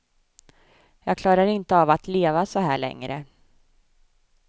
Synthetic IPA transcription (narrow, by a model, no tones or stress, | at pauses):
jɑːɡ̚kʰlɑːɾaɾɪnt̪əavat̪leːvasɔɦæ̰ːɭɛ̰ŋɾə̰